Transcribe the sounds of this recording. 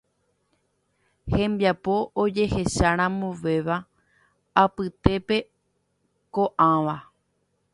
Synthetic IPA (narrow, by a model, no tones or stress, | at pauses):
hẽ̞mbjapo̞ʔod͡ʒe̞he̞ʃaɾ̃ãmuʋe̞ʋa | apɨt̪e̞pe̞ | ko̞ʔãʋa